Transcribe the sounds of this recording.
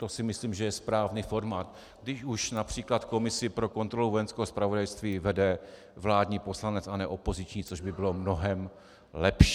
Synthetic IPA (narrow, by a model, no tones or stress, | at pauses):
t̪o̞sɪmɪsliːmʒɛjɛspɾaːvnifo̞ɾmaːt̪̚ | ɡdɪʃuʃnapr̝̥iːklat̪ko̞mɪsɪpɾo̞ko̞nt̪ɾo̞luvo̞jɛnskɛɦospɾavo̞dajst̪viːvɛdɛ | vlaːdɲiːpo̞slanɛt͡sanɛʔo̞po̞zɪt͡ʃɲiːt͡so̞ʒbɪbɪlo̞mno̞ɦɛm | lɛpʃi